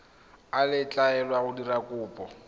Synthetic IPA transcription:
alɪt͡ɬʼaɛlwaɣʊdirakʼʊːpʼɔ

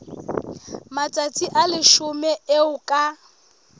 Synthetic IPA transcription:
mat͡sʼat͡sʼiʔalɪʃʊmɛeʊkʼa

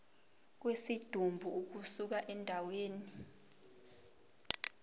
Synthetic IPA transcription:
k̬wesid̥ʱumbʱuːk̬usuk̬aʔɛndʱaweːni

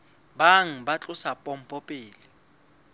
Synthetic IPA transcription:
baŋ̩bat͡ɬʼʊsapʼɔm̩pʼɔpʼɪːlɪ

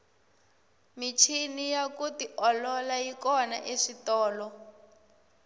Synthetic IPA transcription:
mit͡ʃʰinijakutiʔɔlɔlajikɔna̰ʔeʂitɔːlɔ

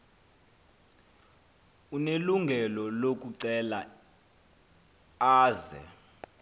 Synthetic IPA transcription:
uneluŋɡʱɛlɔlok̬ʼuǀɛla | aːzɛ̰

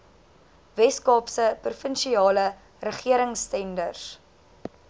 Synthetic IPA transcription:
vɛskɑːpsəprufənʃiɑːlə | rəχiəɾəŋstɛndərs

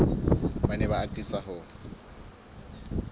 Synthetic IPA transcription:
banɛβaːtʼisaɦʊ

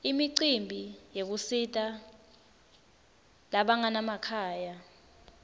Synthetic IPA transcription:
imiǀimbʱijek̬usitʼa | laɓaŋanamakʰaːja

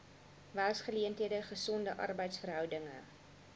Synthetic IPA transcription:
væsχəliəntɦiədəχəsɔndəʔɐ̰rbəjtsfərɦœwdəŋə̰

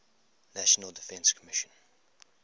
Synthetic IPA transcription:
næʃənəlˠdɪfɛ̃nskʰəmɪʃə̃n

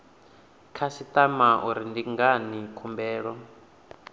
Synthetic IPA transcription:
kʰasitamaʔuɾindiŋɡanikʰumbɛːɺɔ

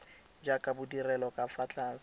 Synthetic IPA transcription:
d͡ʒakʼabʊdirɛlɔkʼafat͡ɬʼaːn̩s

